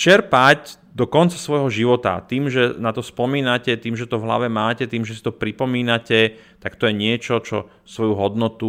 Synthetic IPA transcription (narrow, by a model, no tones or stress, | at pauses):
t͡ʃɛɾpac | d̪ɔkɔnt͡sḁsʋɔjɦɔʒiʋɔt̪a̰t̪iːmʒɛnat̪ɔspɔmiːnacɛt̪iːmʒɛt̪ɔvɦla̰ʋɛmaːcɛt̪iːmʒɛsi̥t̪ɔpɾipɔmiːnacɛt̪akt̪ɔjɛɲɪɛt͡ʃɔt͡ʃɔ̰ | sʋɔjuɦɔd̪nɔt̪u